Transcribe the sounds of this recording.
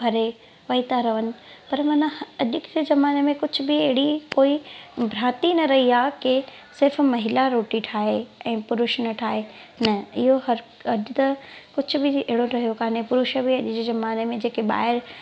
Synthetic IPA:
bʱɐɾe | ʋɐit̪aɾɐʋənɪ̆pɐɾmãːnãɐʄʊkd͡ʑezɐmaːnemẽkʊd͡ʑʱʊ̆bɪɐɦɪɽikoːibʱɾaːt̪inɐɾɐɦiaːke | sɪɾfmɐɦɪlaɾoːʈiʈʰaːɦeɛ̃ːpʊɾʊʃnɐʈʰaːɦe | nɐɪɦoɦɐɾ | ɐʄʊt̪ɐkʊd͡ʑʱʊ̆bɪeɦɪɽoɾʰɐɦijokaːnepʊɾʊʃəbɪɐʄɪd͡ʑezɐmaːnemẽd͡ʑeːkeɓa̰ːɪɾ

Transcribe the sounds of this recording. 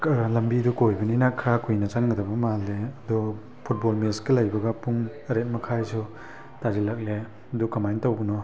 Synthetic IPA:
klɐmbidukojbɐninakʰːɾakʰujnɐt͡ʃaŋɡɐdɐbɐmalːeɐdɔ | pʰut̚bolmesɡelajbɐɡɐpuŋɐɾet̚mɐkʰajsu | taɾilak̚le | ɐdukːɐmajntawɡɐnɔ

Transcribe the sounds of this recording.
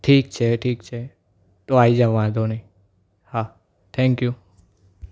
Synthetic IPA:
ʈʰiːk̚t͡ʃʰeʈʰiːk̚t͡ʃʰe | t̪oaːid͡ʒaʋãd̪onəĩ | ha | t̪ʰɛ̃ŋkju

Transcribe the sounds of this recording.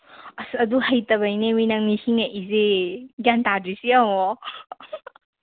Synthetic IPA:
ɐsɐduhɐjtɐbɐjneminɐŋnisiŋaʔizeɡantadɾisiawɔ

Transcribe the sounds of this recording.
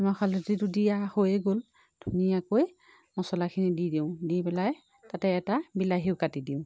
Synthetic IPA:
mɔkʰalutidudiahojɛɡol | d̥ʱunijakoj | mɔsɔlakʰinididiʊ̃dipɛlaj | tatɛːtabilaɦiwkatidiʊ̃

